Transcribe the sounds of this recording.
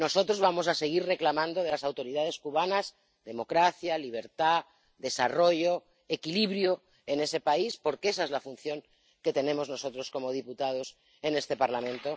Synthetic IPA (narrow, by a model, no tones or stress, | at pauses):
no̞so̞t̪ɾo̞zβamo̞sase̞ɣ̞iɾre̞klamãnd̪o̞ð̞e̞lasawt̪o̞ɾiðað̞e̞skuβanaz | ðe̞mo̞kɾaθjaliβ̞e̞ɾt̪a | ðe̞saro̞ʝo̞ | e̞kiliβɾjo | e̞ne̞se̞paispo̞ɾkee̞sae̞zlafunθjo̞ŋ | ke̞t̪e̞nẽ̞mo̞zno̞so̞t̪ɾo̞sko̞mo̞ð̞iput̪að̞o̞s | e̞ne̞st̪e̞paɾlamẽnt̪o̞